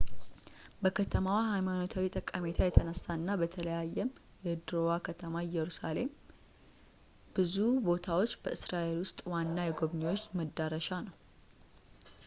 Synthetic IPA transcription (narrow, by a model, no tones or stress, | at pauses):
bəkʰət̪ʰəmawahajmanot̪ʰawit̪ʼəkʼːame̞t̪ʰajɛt̪ʰənəsːaɨnːabət̪ʰələjajːɛm | jɛd̪ɾowakʰət̪ʰəmajɛɾusale̞m | b̥ɨzubo̞t̪ʰawo̞t͡ʃːbəʔɨsɾaʔe̞lwʊst̪ʼwanːajɛɡo̞βnewo̞t͡ʃːməd̪ːaɾəʃanəw